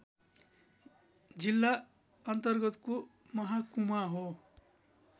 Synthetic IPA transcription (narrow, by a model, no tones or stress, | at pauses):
d͡zilːa | ʌnt̪ʌrɡʌt̪ko | mʌɦakumaɦo